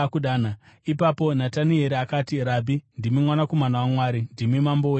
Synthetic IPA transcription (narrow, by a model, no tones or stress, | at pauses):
kuɗaːnaipapo̞nataniɦeɾeakaːtiɾaːbʱindimimwanakomanawamwaːɾindimimambo